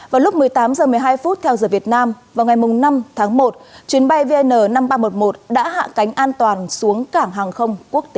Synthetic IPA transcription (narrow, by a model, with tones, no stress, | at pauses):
vaː˨˩wlʊ˦˥k͡p̚mɨ˨˩əjt̪aː˨˦mzəː˨˩mɨ˨˩əjɦaː˧jfu˦˥t̚t̪ʰɛ˧wzəː˨˩vi˨˩ət̚naː˧mvaː˨˩wŋa˨˩jmʊ˨˩ŋ͡mna˧mt̪ʰaː˨˦ŋmo˨˩t̚t͡ɕwi˨˦ənɓa˧jve˧ʔnəː˨˩na˧mɓaː˧mo˨˩t̚mo˨˩t̚ɗa̰ː˧˥ɦa̰ː˧˨ka˨˦ŋ̟ʔaː˧nt̪waː˨˩nsu˨˦əŋkaː˧˩ŋɦaː˨˩ŋxə˧wŋ͡mku˦˥ək̚t̪e˨˦